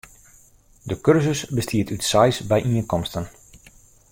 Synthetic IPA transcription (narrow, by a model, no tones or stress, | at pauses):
dəkørzəsbəstʰiətytsajsbɛjʔiənkɔmstən